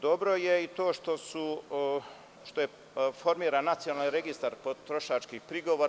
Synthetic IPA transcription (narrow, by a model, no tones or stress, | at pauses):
d̪obɾo̞jeit̪o̞ːʃt̪o̞su | ʃt̪o̞je | fo̞ɾmiːɾanːat̪sijonalniɾe̞ɡist̪aɾpot̪ɾoʃat͡ʃkixpɾiɡo̞ʋoɾ